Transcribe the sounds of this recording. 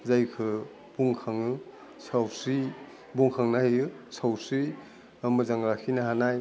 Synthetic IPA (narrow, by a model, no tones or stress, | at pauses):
zajkʰɯ | buŋkʰaŋɯ | sawsi | buŋkʰaŋnajɯsawsi | amɯzaŋɾakʰinaɦanaj